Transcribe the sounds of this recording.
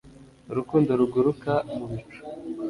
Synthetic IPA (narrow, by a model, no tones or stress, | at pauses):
ɾukuːndoɾuɡuɾukamuβit͡ʃu̥